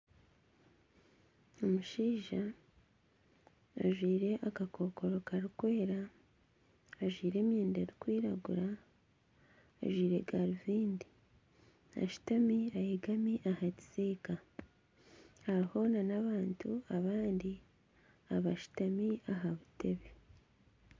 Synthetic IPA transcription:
o̞muʃiːʒa | ʒwiːɾe̞ʔakako̞ko̞ɾo̞kaɾikwe̞ːɾa | ʒwiːɾe̞ːmjeːndeɾikwiːɾaɡṵɾa | ʒwiːɾe̞ɡaɾiviːndi | a̰ʃu̥tamiajeɡamiʔahaci̥seːka | haɾiho̞nanaβaːntuaβaːndi | aβaʃu̥tamiaɦaβutʰe̞βe

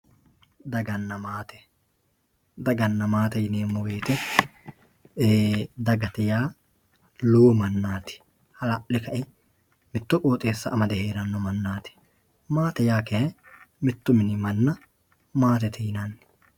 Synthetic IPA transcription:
d̪ɐɡɐnːɐmaːt̪ɛ̥ | d̪ɐɡɐnːɐmaːt̪ɛjɪneːmːɔweːt̪ɛ | d̪ɐɡɐt̪ɛjaː | luːmɐnːaːt̪ɪ̥ | hɐlɐʔlɪkɐʔɪ | mɪt̪ːʊkʼoːt̪ʼeːsːɐ̰ʔːmɐd̪ɛheːɾɐnːɔmɐnːaːt̪ɪ̥ | maːt̪ɛjaːkɛɛmɪt̪ːʊmɪnɪmɐnːɐ | maːt̪ɛt̪ɪjɪnɐnː

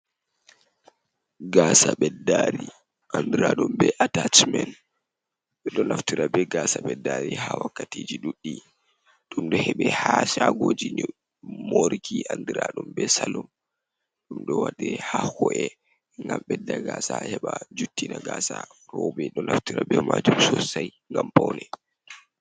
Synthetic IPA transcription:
ɡaːsaɓɛdaɾi | ʔandiɾaɗumbɛʔatat͡ʃmɛn | ɓɛɗɔnaftiɾabɛɡaːsaɓɛdːaɾihawakːatiːd͡ʒiɗuɗːi | ɗumɗɔhɛɓɛhasaɡod͡ʒi | moɾikʰiʔandiɾaɗumbɛsalum | ɗumɗɔwadɛhahɔʔɛ | ŋɡamɓɛdaɡaːsahɛɓad͡ʒutːinaɡaːsaɾɔbɛɗɔnaftiɾabɛmad͡ʒumsɔsaj | ŋɡampawnɛ

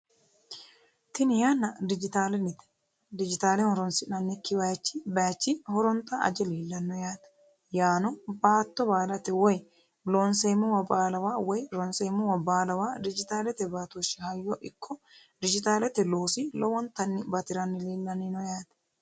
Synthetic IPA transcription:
t̪ɪnɪjanːɐd̪ɪd͡ʒɪt̪aːlɛnɪt̪ɛ̥ | d̪ɪd͡ʒɪt̪aːlɛnhɔɾɔnsɪnɐnːɪkːɪbɐjt͡ʃːɪbɐjt͡ʃːɪhɔɾɔnt̪ɐɐ̰d͡ʒɛliːlːɐnːɔjaːt̪ɐ̥ | jaːnɔbaːt̪ːɔbaːlɐt̪ɛwɔj | lɔnsɛmʊwɐbaːlɐwaːwɔjɾɔnsɛmʊwɐbaːlɐwaːd̪ɪd͡ʒɪt̪aːlɛt̪ɛbaːt̪ɔʃɪhɐjːɔʔɪkʰːɔ | d̪ɪd͡ʒɪt̪aːlɛt̪ɛloːsɪlɔwɔnt̪ɐnːɪbɐt̪ɪɾɐnːɪliːlːɐnɪnɔjaːt̪

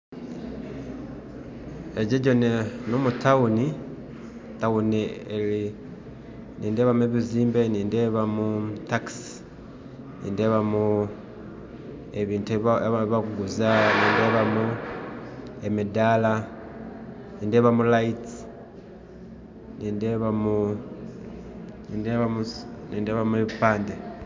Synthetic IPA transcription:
eɟeɟonenomutauni | taunieli | niːndeβamue̞βiziːmbeniːndeβamutaks | nḭːndeβamu | eβiːntuββakuɡuzaniːndeβamu | emedala | niːndeβamulaiti | niːndeβamu | niːndeβamuniːndeβamueβipaːnde

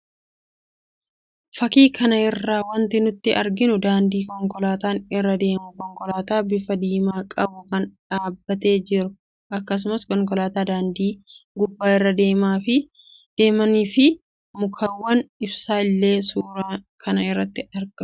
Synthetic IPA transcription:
fɐkiːkʰɐnɐɪrːaːwɐnt̪ɪnʊt̪ːɪʔɐɾɡɪnʊd̪aːnd̪iːkɔŋkɔlaːt̪aːnɪrːɐd̪e̞ːmʊkɔŋkɔlaːt̪aːbɪfɐd̪iːmaːkʼɐbʊkɐnᶑaːbːɐt̪e̞ːd͡ʒɪɾʊ | ʔɐkːɐs̬ʊmɐskɔŋk̬ɔlaːt̪aːd̪aːnd̪iːɡʊbːaːɪrːɐd̪e̞ːmaːfɪ | d̪̥e̞ːmɐniːfɪ | mʊkʰɐwːɐnɪbsaːɪlːe̞ːsuːɾaːkʰɐnɐɪrːɐt̪ːɪɐɾɡɐ

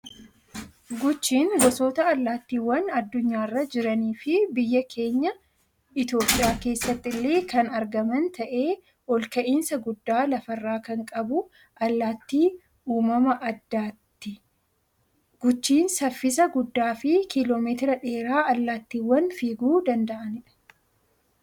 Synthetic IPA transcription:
ɡʊt͡ʃːiːŋɡɔsoːt̪ɐɐlːaːt̪ːiːwːɐnɐd̪ːʊɲːaːrːɐd͡ʒɪɾɐniːfɪbɪjːɐkʰe̞ːɲːɐ | ɪt̪jo̞ːpʼːɪjaːke̞ːsːɐt̪ːɪlːeːkɐnɐɾɡɐmɐnt̪ɐʔe̞ː | wɔlkɐʔiːnsɐɡʊd̪ːaːlɐfɐrːaːkɐŋkʼɐbʊ | ʔɐlːaːt̪ːiː | uːmɐmɐʔɐd̪ːaːt̪ːɪ | ɡ̥ʊt͡ʃːiːnsɐfːɪs̬ɐɡʊd̪ːaːfɪkʰɪlo̞ːmeːt̪ɪɾɐᶑe̞ːɾaːʔɐlːaːt̪ːiːwːɐnfiːɡuːd̪ɐnd̪ɐʔɐnɪᶑɐ̥

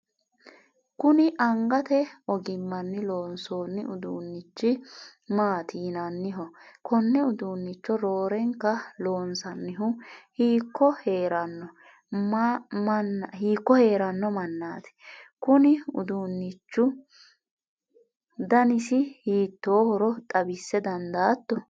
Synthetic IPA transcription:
kʊnɪʔɐŋɡɐt̪ɛɔɡɪmːɐnːɪlo̞ːnso̞ːnːɪʔʊd̪uːnːɪt͡ʃːɪmaːt̪ʰiːnɐnːɪɦɔkʰɔnːɛʊd̪uːnːɪt͡ʃːɔɾo̞ːɾɛŋkːɐlo̞ːnsɐnːɪɦʊhiːkːɔheːɾɐnːɔ | mmɐnːhiːkːɔhe̞ːɾɐnːɔmɐnːaːt̪ɛ̥kʊnɪʊ̰d̪uːnːɪt͡ʃːʊ | d̪ɐnɪsɪhiːt̪ːoːhɔɾɔt̪ʼɐbɪsːɛd̪ɐnd̪aːt̪ːɔ

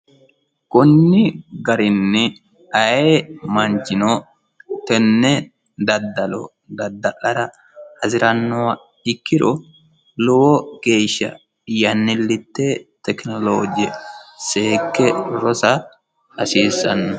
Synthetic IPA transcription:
kʼʊnːɪɡɐɾɪnːɪ | ɐjemɐnt͡ʃɪno | t̪ɛnːɛ | d̪ɐd̪ːɐlɔ̰ | d̪ɐd̪ːɐʔɐɾɐ | hɐzɪɾɐnːɔwɐ | ɪkːɪɾɔ | lɔwɔɡ̥e̞ːʃːɐ̰ | jɐnːɪlːɪt̪ːet̪ɛknɔloːd͡ʒɛseːkːɛɾɔsɐ | ɐsiːsːɐnːɐ

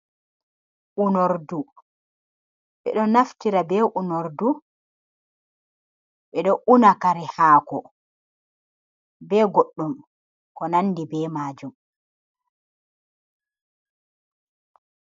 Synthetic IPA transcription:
ʔunoɾdu | ɓɛ̰ɗɔnaftiɾabɛːʔunoɾdu | ɓɛɗɔʔunakaɾɛhaːkɔ | bɛɡoɗːum | kɔnanːdibɛːmaːd͡ʒum

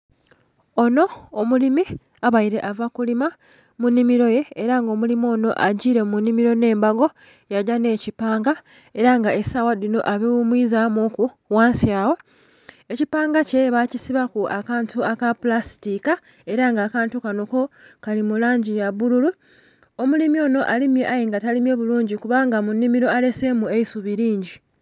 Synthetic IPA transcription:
o̞no̞ːmulimi | aβajiɾe̞ʔavakulima | munːimiɾo̞je̞ːɾaŋɡo̞ːmulimo̞ːno̞ʔaɟiːɾe̞munːimiɾo̞ne̞ːmbaɡo̞ | jaɟane̞ːcipaːŋɡa | e̞ɾaŋɡaesawadino̞ʔaβiwumwiːzamoku | waːnsjaːwo̞ | e̞cipaːŋɡace̞βacisiβakuakaːntuakapulasi̥tika | e̞ɾaŋɡaːkaːntukano̞ko̞kalimulaːɲɟijaβululu | o̞mulimjo̞ːno̞ʔalimje̞ʔajeŋɡatalimje̞βuluːɲɟikuβaŋɡamunːimiɾo̞ale̞se̞mue̞isuβiɾiːɲɟi

